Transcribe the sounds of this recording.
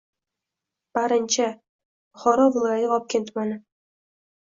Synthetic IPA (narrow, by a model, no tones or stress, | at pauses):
b̥aɾɪnt͡ʃʰa | χɒɾɒvɪlˠɒjajɪɒp̚kʲent̪manɪ